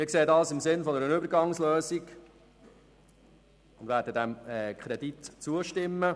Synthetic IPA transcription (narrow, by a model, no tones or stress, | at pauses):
mɪːkseːədɑːlsɪmsɪnfɔnɛɾənʏbəɾɡɑŋsløːziɡ | ʊnd̪ʋæːɾdəd̪æmɛkʰχɾɛd̪it̪t͡suəʃtɪmːə